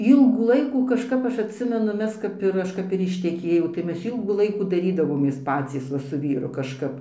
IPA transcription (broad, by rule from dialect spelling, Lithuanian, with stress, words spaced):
ˈiːlˠɡuː ˈlˠɐɪkuː kɐʃˈkɐp ˈɐʃ ɐtʲˈsʲɪmʲɛnʊ ˈmʲɛs kɐp ɪr ˈɐʃ kɐp ɪr ɪʃʲtʲɛˈkʲeːjɛʊ tɐɪ ˈmʲɛs ˈiːlˠɡuː ˈlˠɐɪkuː dɐˈrʲiːdɐʋoːmʲeːs ˈpɑːt͡sʲiːs ˈʋɐ sʊ ˈʋʲiːrʊ kɐʃˈkɐp